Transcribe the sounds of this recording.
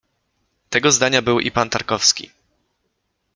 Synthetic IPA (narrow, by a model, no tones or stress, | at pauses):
t̪ɛɡɔzd̪aɲabɘwʔḭpant̪aɾkɔfskʲḭ